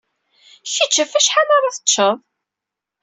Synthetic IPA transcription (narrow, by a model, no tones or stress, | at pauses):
çit͡ʃːæfæʃħalaɾˤɑθə̥tʃːəðˤ